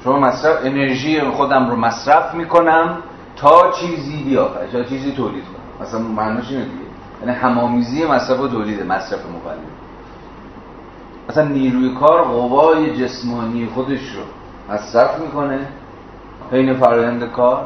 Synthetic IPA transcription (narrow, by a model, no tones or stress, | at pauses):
ʃomɒːmæsɾæfene̞ɾʒiːjexod̪æmɾomæsɾæfmiːko̞næm | t̪ʰɒːt͡ʃʰiːziːbijɒːfæ̰ɾt̪ɒːt͡ʃʰiːziːt̪ʰoːliːd̪̥̚kʰo̰næ̰mʔæ̰sænmænɔːʃiːned̪ḭɡḛ | jæ̰ːnihæmɒːmiːziːjemæsɾæfot̪ʰoːliːd̪emæsɾæfemo̰ɣæ̰lːḛb | ʔæsænːiːɾuːjekʰɒːɾɢovɒːje̞d͡ʒe̞smɒːniːjexod̪e̞ʃɾo̰ | mæsɾæfmiːko̞ne | he̞jne̞fæɾɒːjænd̪ekʰɒːɾ